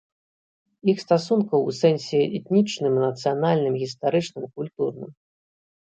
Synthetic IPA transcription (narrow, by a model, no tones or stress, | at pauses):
ixst̪asunkɐwsɛnʲsʲɛɛt̪nʲit͡ʂnɨmnɐt̪sɨjanalʲnɨmɣʲist̪aɾɨt͡ʂnɨmkulʲt̪urnɨ̰m